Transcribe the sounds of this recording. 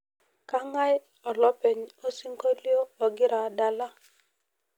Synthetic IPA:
ka˦ŋa˦j | ɔ˨lɔ˦pe˨ɲo˦si˦ŋko˦ljoː˦˨ɡɪ˦ɾa˨da˨la˦

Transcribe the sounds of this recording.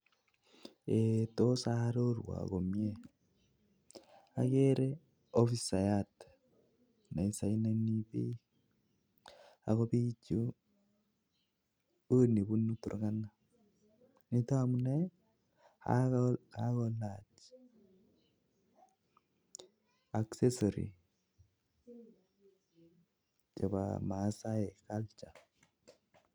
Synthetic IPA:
etosa˦ɾoɾwa̰˨ɣo˨mje | a̰˨ɣeɾe | ofi˦sa˨jat | na˨i˨sa˨i˦neniβe˦ | a̰˨ɣo˦βi˦t͡ʃu˦ | oni˨βu˦nu˦tṵ˨ɾɣa˦na | ni˦tɔ˦amu˦nɛ | ha̰hakɔlat͡ʃ | a˨kse˦sɔɾḭ˨ | t͡ʃɛ˨ba̰masa˦ɛ˨kalt͡ʃa˨

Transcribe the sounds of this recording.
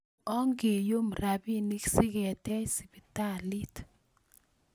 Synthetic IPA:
ɔ˦ŋɡe˨jo˦mɾa˨bi˦˨ni˦ksi˦kɛ˨tɛ˦si˨bi˨ta˦˨li˦t

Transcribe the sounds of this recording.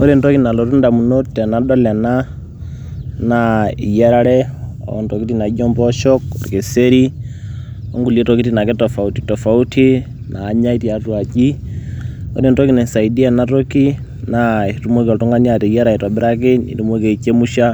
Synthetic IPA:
o˦ɾe˨ntɔ˦ki˨na˨lɔ˨ɾu˦nda˨mu˨no˦tɛ˨na˨ɗɔ˦lɛ˨na˦ | nai˨jɛ˦ɾa˦ɾɛ˦ɔ̰˨ntɔ˨ki˦ti˦na˨i˦d͡ʒɔ˦mbɔ˦ʃɔ˦kɔ̰˨ɾke˨se˦ɾi˦ | ɔ̰˦ŋɡu˨le˦tɔ˦ki˦ti˦na˨kɛ˦tɔ˨fa˨u˦ti̥˨tɔ˨fa˨u˦tʰi˦ | naː˨˦ɲa˦i˦ti˨a˨twa˨t͡ʃi˦ | o̰˦ɾe˨ntɔ˦ki˨nɛ˨sa˨i˨di˦a˨na˦to˦ki˦ | nai˨tu˦mo˦kiɔ˨tu˦ŋɡa˦ni˦a˨tɛ˨jɛ˦ɾa˨ɛ˨tɔ˨bɪ˦ɾa˦k̬ɪ˦nḭ˨tu˦mo˦ke˨i˨t͡ʃe˦mu˦ʃa˦

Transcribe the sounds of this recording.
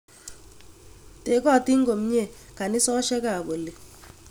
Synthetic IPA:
te˨˦kɔ˦˨ti˦ŋ˦ɡo˨m˦ɲe˦˨ka˨nɪ˦sɔ˦ʃɛ˦ka˨bo˨le˨

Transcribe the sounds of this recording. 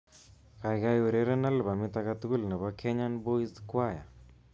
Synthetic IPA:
ka˨jka˦je˨ɾe˦ɾe˦na˦lba˨mɪ˦t̪a˦ka˦t̪u˦ku˦lna˨ba˦kʰɛ˦ɲa˦nbo˦i˦zkwa˦˨ja̰˨

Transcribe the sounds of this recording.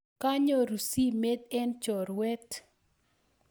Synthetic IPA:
ka˦ɲo˦ɾu˨si˦me˦t̪̚ɛ˦nt͡ʃɔ˨ɾwɛ˦t

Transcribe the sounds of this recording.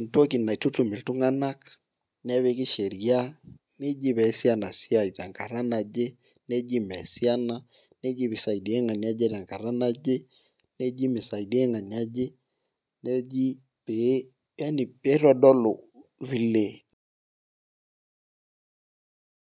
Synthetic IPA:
nto˦ki˨na˨i˨tu˦tu˨me˨ltu˦ŋa˦na˦k | n˦ɛ˦βe˦ki˦ʃe˨ɾja˦ | ne˦d͡ʒi˦βɛ˨˦sja˦na˨si˦a˦˨i˨ta˨ŋka˨ɾa˦na˨d͡ʒe˦ | ne˦d͡ʒi˦mɛ˨si˦a˦na˦ | ne˦d͡ʒi˦βe˨sa˨i˨de˦ŋa˨ni˨˦a˦d͡ʒe˦ta˨ŋka˨ɾa˦na˦d͡ʒe˦ | ne˦d͡ʒi˦me˨sa˨i˨de˦ŋa˨ni˨a˦d͡ʒe˦ | ne˦d͡ʒi˦ | pe˨˦ | a˦ni˨pe˦ɾɔ˦dɔ˦lo˨βi˦le˦˨

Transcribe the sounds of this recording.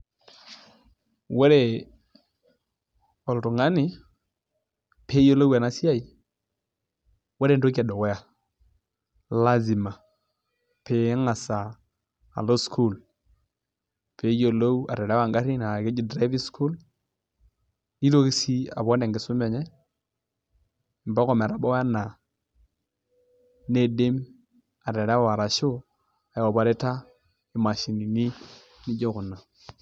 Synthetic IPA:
wɛ˦ɾe˨ | ɔ˨ltʊ˨ŋa˦nɪ˨ | pʰe˦jo˦lo˦wa˨na˦si˦a˦i˦ | wɔ˦ɾe˦ndo˦k̬a˨dɔ˨wɛ˦ja˨ | la˦zi˨ma˨ | pe˨˦ŋa˨sa̰ː˨ | lo˦skʰu˦˨l | pe˨˦jo˨lo˦wa˨ɾe˨ɾa˦wa˨ŋɡa˦ɾi˦na˨ke˦d͡ʒi˦˨dɾa˦bi˦skʰu˦l | i˦ɾo˦ki˦si˦a̰˨bɔ˦ne˨ŋɡɪ˨sʊ˦me˨ɲɛ˦ | m˨ba˦kɔ˦˨me˨ɾa˨bɔ˦wa˦na˨ | ne˦de˦m | a˨ɾe˨ɾa˦wa˨ɾa˨ʃʊ˦ | a˨wo˨ba˨ɾe˦ta˦ | ɪ˨ma˨ʃi˨ni˨ni˦ | ni˦d͡ʒo˦kʊ˨na˨

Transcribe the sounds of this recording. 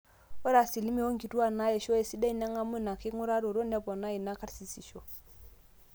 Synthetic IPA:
ɔ˦ɾa˨si˨li˦mi˦ɔ˦ŋ̩˦ki˨tu˦a˨na˦ɛ˨ʃɔ˦ɛ˨si˦da˦i˦na˦ŋa˦mʊ˦˨na˨kɪ˦ŋʊ˦ɾa˦ɾo˨ɾo˦nɛ˦bɔ˨na˦i˨na˦ka˦ɾsi˨si˨ʃɔ˦

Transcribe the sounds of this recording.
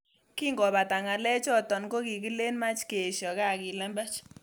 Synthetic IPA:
ki˦ŋɡɔ˨ba˨ta˨ŋa˨lɛ˦t͡ʃɔ˦tɔ˨nko˦ki˨ki˦le˦nma˦t͡ʃke˨ʃɔ˨ka˦˨ki˨lɛ˦mbɛ˦t͡ʃ

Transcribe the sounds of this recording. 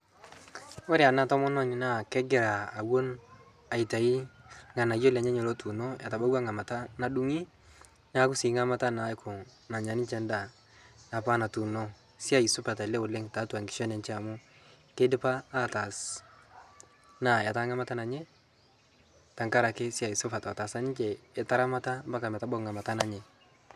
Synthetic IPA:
o˦ɾe˦a˨na˦tɔ˦mɔ˦nɔ˦ɲna˦˨kɛ˦ɡɪ˨ɾaː˨wo˦n | a˨i˨ta˨i˦ŋa˨na˨jo˦la˨ɲa˦ɲo˨lo˦tu˨no˦a̰˨ta˨ba˦wa˦ŋa˨ma˨ta˦na˨du˦ŋi˦ | na˦kʊ˦si˨˦ŋa˦ma˦ta˦na˨˦kʰʊ˨ | na˨ɲa˨nɪ˦t͡ʃɛ˦nda˦˨ | na˨pa˦na˨tu˨no˦ | si˦a˦˨i˨sʊ˦pa˨ta˨lɛ˦o˨le˦ŋta˨˦twa˨ŋɡɪ˨ʃɔ˦nɛ˨nt͡ʃɛ˦a˨mʊ˦ | ke˦dɪ˦paː˦ta˨s | na˨ja˨ta˦ŋa˦ma˦ta˦na˨ɲɛ˦ | ta˨ŋka˦ɾa˨kɪ˦si˦a˨i˨sʊ˦pa˨tːta˨sa˦nɪ˦t͡ʃɛː˨ta˦ɾa˦ma˦ta˦mba˦ka˨mɛ˨ta˦ba˦kŋa˨ma˨ta˦na˨ɲɛ˨

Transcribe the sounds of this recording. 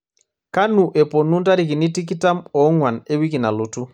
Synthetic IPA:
ka˦nu˨ʔɛ˨po˨nu˦nta˦ɾi˨k̬i˨ni˦ti˦k̬i˦ta˦mɔ˨˦ŋwa˨ne˦wi˦k̬i˨na˨lu˨tu˦

